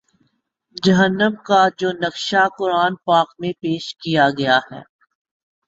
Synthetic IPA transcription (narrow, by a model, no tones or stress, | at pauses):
d͡ʒɐɦənːəmkad͡ʒoːnɐkʃakʊɾaːnpaːkmẽpeːʃkijaɡɐjahɛ̰ː